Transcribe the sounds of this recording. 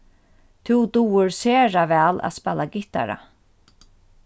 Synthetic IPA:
t̪ʰuwd̪uːɪɾseːɾavɛːla̰ðspɛlːaɡɪht̪a̰ɾa̰

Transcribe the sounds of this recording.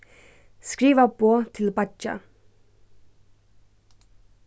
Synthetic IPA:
skɹiːʋəboːt̪ʰɪlbɑt͡ʃɑ̰

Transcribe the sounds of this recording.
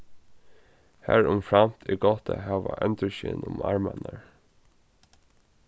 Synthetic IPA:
hæɹʊmfɹamt̪ʰiɡɔt̪ʰəɦæːʋaʔɛnt̪əʃɪnʊmaɹmanəɹ

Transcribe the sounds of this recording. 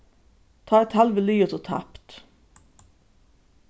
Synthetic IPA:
t̪ʰɑːɛt̪hɛlʋəlyːət̪ʰɔt̪ʰæ̰pt̪

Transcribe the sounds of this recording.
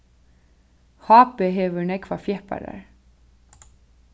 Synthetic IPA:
hɑːpeɦeːʋənɛkʰʋafjɛhpa̰ɾa̰ɹ

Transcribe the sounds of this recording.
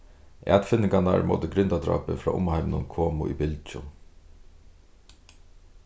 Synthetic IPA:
ʔɛ̰ːt̪fɪnːɪŋkanaɹmo̰ːt̪əɡɾʏnt̪ad̪ɾa̰ːpɪfɾɑ̰ːʔʊ̰mhajmnʊnkʰoːmʊʔibɪlt͡ʃʊ

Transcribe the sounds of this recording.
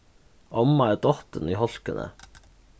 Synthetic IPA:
ʔɔmɑæːd̪ɔt̪əniːhɔlkənʔə̰

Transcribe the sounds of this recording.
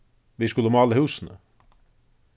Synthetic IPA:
viskʉləmɑlːəhʉːsənə̰

